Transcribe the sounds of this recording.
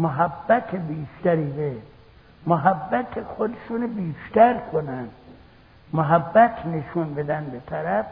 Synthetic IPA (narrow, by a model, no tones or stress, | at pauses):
moɦæbːæt̪ʰebiːʃt̪æɾiːd̪e | moɦæbːæt̪ʰexod̪eʃunebiːʃt̪æɾkʰonænd̪ | moɦæbːæt̪ʰneʃunbed̪ænbet̪ʰæɾæf